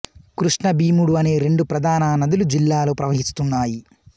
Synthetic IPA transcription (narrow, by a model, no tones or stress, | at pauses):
kɾuʂɳɐbiːmuɽuɐne̞ːɾe̞ɳɖupɾɐd̪ʱaːnɐnɐd̪ilud͡ʒilːaːlo̞ːpɾɐʋɐɦist̪unːaːji